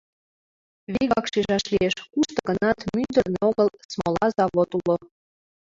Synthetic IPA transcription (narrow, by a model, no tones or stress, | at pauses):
βiɣɑkʃiʒɑʃlieʃkuʃt̪ɤ̆ɣənɑt̪mynd̪ərneoɣəlsmolɑzɑβot̪ulo